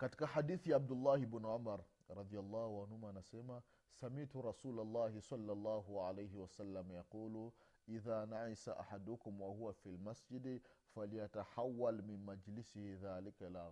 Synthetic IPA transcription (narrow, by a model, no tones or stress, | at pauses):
kad̪kaħad̪iːθjʕab̚d̪ʊlːaːhɪbɪnʕʊmaɾˤ | ɾˤɑd̪ˤijalˤːɑːhʊʕanhʊmanaseːma | samiʕt̪ʊɾˤɑsuːlalːaːhɪsˤɑlːalˤːaːɦʊʕalajɦɪwasalːamajaquːlu | ʔɪðaːnaʕisaʔa̰ħad̪ʊkʊmwahʊwafilmasd͡ʒɪd̪ | faljat̪aħawːalmɪnmad͡ʒlɪsɪhiðaːlɪkala